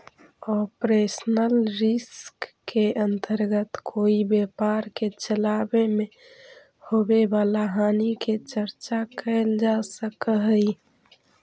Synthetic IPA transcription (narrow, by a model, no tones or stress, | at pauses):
ɔpɾesnəlɾiskː | eʔənt̪əɾɡət̪kʰoibepaɾket͡ʃəlabeme | hobebalaɦaniket͡ʃəɾt͡ʃakəld͡ʒasəkəɦəj